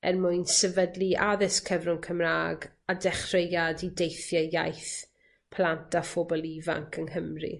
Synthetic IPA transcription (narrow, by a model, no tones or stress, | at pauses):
ɛ̰rmʊjnsɛvədlˠiʔaðɪskʰəvrʊŋkʰəmraːɡ | adɛχrejadidejθjɔja̰jθ | pʰlˠantʰafɔbɔlˠiva̰ŋkʰənɦəmrḭ